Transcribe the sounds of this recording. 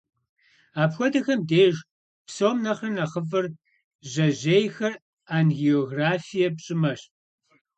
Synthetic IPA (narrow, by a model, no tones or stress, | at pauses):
aːpxʷɔdɐxɐmdeːʒ | psoːmnɐχrɨnaχəfɨr | ʑɐʑeːjxɐr | aːnɣioːɣraːfijɐpɕʼɪmɐɕ